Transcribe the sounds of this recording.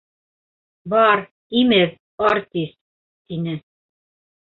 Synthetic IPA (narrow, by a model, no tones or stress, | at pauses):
bɑɾ | imɘð | ɑɾt̪ʲist̪̚ | t̪inɘ